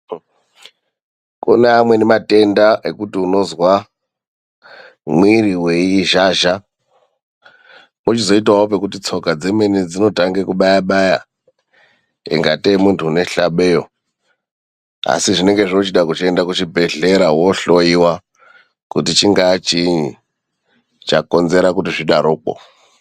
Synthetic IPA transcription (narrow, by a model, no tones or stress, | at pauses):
kuneamwe̞nemate̞ndaʔekutiuno̞zwa | mwiriweiʒaːʒa | mut͡ʃizo̞itwawope̞kutit͡sʰo̞kad͡zemenid͡zino̞taŋɡekuɓajaɓaja̰ | ḭŋɡatemuntʰuːne̞ɬaɓejo | a̰siʐine̞ŋɡeʐino̞t͡ʃiɗakut͡ʃie̞ndakut͡ʃibʱe̞ɮe̞ɾawo̞ɬo̞iwa | kutit͡ʃiŋɡat͡ʃiɲi | t͡ʃako̞nze̞ɾakutiʐiɗaɾoːk͡po̰